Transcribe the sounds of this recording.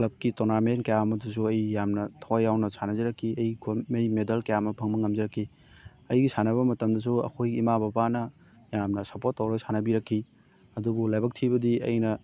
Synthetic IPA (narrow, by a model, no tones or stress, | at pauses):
klɐb̚kitonamenkɐjamɐdus̬uɐjjamnɐtʰawjːawnɐsʰanɐzɐɾɐkʰːiɐjiɡʰomejmedɐlkɐjamɐpʰɐŋmɐŋɐmd͡ʒɐɾɐkʰːi | ɐjɡisanɐβɐmɐtɐmdɐs̬uɐ̰kʰojɡiːmababanɐ | jamnɐsɐpotːɐwɾojsʰanɐbiɾɐkʰːi | ɐdubulajbɐk̚tʰibɐdiɐ̰jnɐ